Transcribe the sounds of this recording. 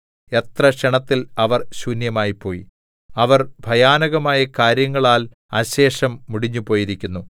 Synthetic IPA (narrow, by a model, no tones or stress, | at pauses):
e̞t̪rɐʂeɳɐt̪ːilɐʋɐrɕunjɐmaːjipːo̞ːjḭ | ɐʋɐrbʱɐjaːnɐɣɐmaːjɐkaːɾjɐŋːɐɭaːl | ɐ̰ɕe̞ːʂɐmːuɽiɲːupo̞ːjiɾikʲːunːu